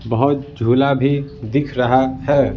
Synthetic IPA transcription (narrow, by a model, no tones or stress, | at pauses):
bəɦʊt̪̚d͡ʒʱulabʱid̪ikʰɾəɦaɦɛ